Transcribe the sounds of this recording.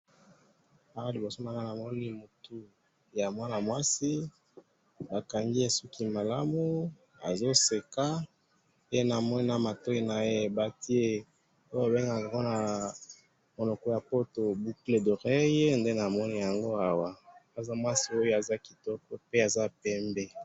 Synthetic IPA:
a˦a˦li˨bo˨so˦ma˦na˦na˨mɔ˦ni˦mu˨tu˦ | ja˨mwa˦na˨mwa˦si˦ | ba˨ka˨ŋɡi˦e˨su˦ki˦ma˨la˦mu˦ | a̰˨zo˦se˨ka˦ | e˦na˨mɔ˦ni˦na˨ma˨tɔ˦i˦na˨e˦˨ba˦ti˦e˦ | o˦jo˦a˨be˦ŋɡa˨a˨ŋɡo˦na˨ | mo˨nɔ˨kɔ˦ja˨po˦to˨bu˦kle˨do˨ʁe˦je˦nde˦na˨mɔ˦ni˦ja˨ŋɡo˦a˦wa˨a˨za˦mwa˦si˦o˦jo˦a˨za˦ki˨tɔ˦kɔ˦pe˦a˨za˦pɛ˦mbɛ˦

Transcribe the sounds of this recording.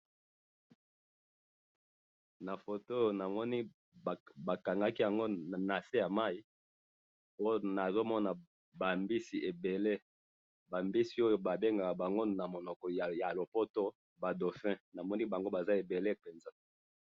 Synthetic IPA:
na˨fo˨to˦jo˨na˨mɔ˦ni˦˨ | ba˨ka˨ŋɡa˦ki˦ja˨ŋɡo˦˨na˨se˦ja˨ma˦i˦ | po˦na˨zo˦mɔ˦na˨ | ba˨mbi˦si˨ʔe˨be˨le˦ | ba˨mbi˦si˨˦o˦jo˨ba˨be˦ŋɡa˨ka˨ba˨ŋɡo˦na˨mo˨nɔ˨kɔ˨ja˨lo˨po˦to˦ | ba˨do˨fɛ̃˦na˨mɔ˦ni˦ba˨ŋɡo˦ba˨za˦e˨be˨le˦pe˨nza˦

